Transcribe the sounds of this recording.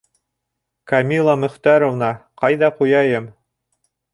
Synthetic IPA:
kɐmʲilˠɑmɵ̆χt̪æɾŏvnɑqɑjðɑqujɑjɤm

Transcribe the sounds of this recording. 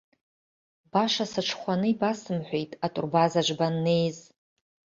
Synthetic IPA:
b̥aʂasɨʈ͡ʂʰχʷanɨibasɨmħʷejtʼatʼʊ̰rbazaʒʷbanːe̞jz

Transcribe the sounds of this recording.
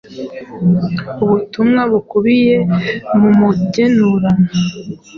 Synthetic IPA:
uβutumŋaβukuβije̞mumuɟenuɾana

